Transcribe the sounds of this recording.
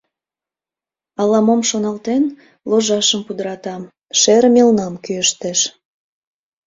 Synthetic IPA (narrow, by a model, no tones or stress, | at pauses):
ɑlɑmomʃonɑlt̪en | loʒɑʃəmpud̪əɾɑt̪ɑm | ʃeɾmʲelnɑmkyəʃt̪eʃ